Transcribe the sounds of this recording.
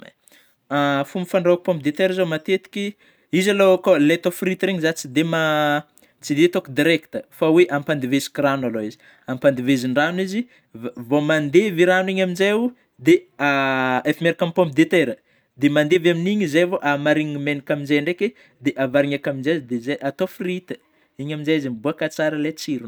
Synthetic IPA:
afumifaɳɖ͡ʐaku̥pɔ̃mp̚d̪et̪eɾizomat̪et̪i̥kʲi | izalokolet̪ofrit̪ɾeŋizat͡sid̪ema | t͡sid̪et̪okd̪iɾɛkt̪əfaweʔampand̪ivezi̥kranaloizi̥ | ampand̪iveziɳɖ͡ʐanwizi | vomand̪eviɾanwiɲamind͡ʒaju | d̪eaefimeɾakampomp̚d̪et̪eɾə | d̪emand̪evaminiɲizajvoʔamaɾiɲimenikaminzaɳɖ͡ʐeke | d̪eʔavaɾiŋakamind͡ʒazd̪ezajʔat̪ofrit̪ə̥ | iɲamind͡ʒajizimbuakat͡saɾəlet͡siɾun

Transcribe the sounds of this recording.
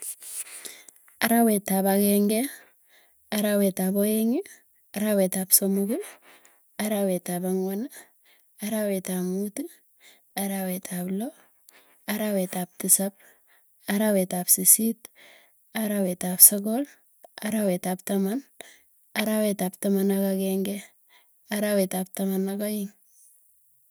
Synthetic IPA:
aɾawetabaɡeŋɡe | aɾawetabojeŋi | aɾawetabsomuɡe | aɾawetabaŋwona | aɾawetamutu | aɾawetʰablo | aɾawetap̚tisap̚ | aɾawetapsisit | aɾawetapsoɡol | aɾawetaptaman | aɾawetaptamanakaɡeŋɡe | aɾawetap̚tamanaɡajiŋ

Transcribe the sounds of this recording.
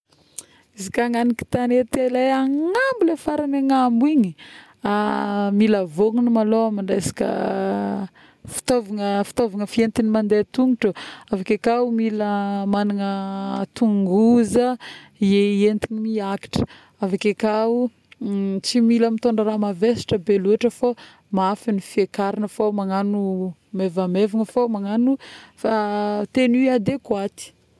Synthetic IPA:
izikaŋaniki̥t̪anet̪elajaŋambilefaɾanaŋambuiɲi | amiləvoŋunimaloamiɳɖ͡ʐasi̥kə̰ | fi̥t̪ovaŋəfi̥t̪ovaŋəfient̪inimand̪et̪uŋuʈ͡ʂəavakʲekaumiləmanaŋət̪uŋɡuzəieent̪inimiaki̥ʈ͡ʂə̥ | avakʲakau | t͡similəmit̪oɳɖ͡ʐaɾamavesi̥ʈ͡ʂəbeluaʈ͡ʂəfo | mafinifiekaɾinəfomaŋanumevamevaŋəfomaŋanufat̪eniad̪ekwat̪i̥

